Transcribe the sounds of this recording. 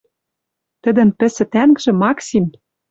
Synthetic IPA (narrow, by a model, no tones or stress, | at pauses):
t̪ɘ̆d̪ɘ̆npɘ̆sɘ̆t̪æŋɡʒɘ̆mɑksim